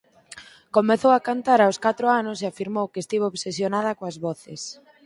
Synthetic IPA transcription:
komeθowakant̪aɾawskat̪ɾoanʊseafiɾmowkest̪iβooβsesjonaðɐkoazβɔθes

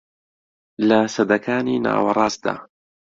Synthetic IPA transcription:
lasɐd̪ɐkʰaːniːna̰ːwɑɾˤɑːsd̪a̰ː

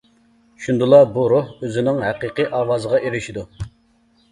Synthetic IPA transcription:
ʃund̪ɨlˠɑbuɾohøzɪnɪŋɦæqiqiʔɑːwɑːzəʁɑʔeɾɪʃid̪u

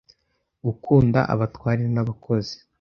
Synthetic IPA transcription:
ɡukʰuːnda̰ʔa̰βatwaːɾiɾenaβakʰo̞zi̥

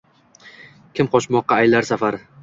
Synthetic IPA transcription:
kʲʰɪmqʰɒʃmɒqːɑːjlaɾsafaɾ

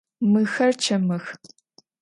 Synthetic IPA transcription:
mɨxɐrt͡ʃʰɐmɨx

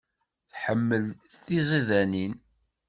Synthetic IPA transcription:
θħəmːəlθizˤiðænin

